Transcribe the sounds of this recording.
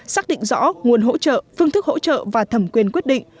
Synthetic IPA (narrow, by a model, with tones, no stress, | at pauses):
saː˦˥k̚ɗḭ˧˨ŋ̟zɔ̰˧˥ŋu˨˩ənɦo̰˧˥t͡ɕə̰ː˧˨fɨ˧əŋt̪ɨ˦˥k̚ho̰˧˥t͡ɕə̰ː˧˨vaː˨˩t̪ʰə˨˧˩mkwi˧ənkwi˦˥ət̚ɗḭ̈˧˨ŋ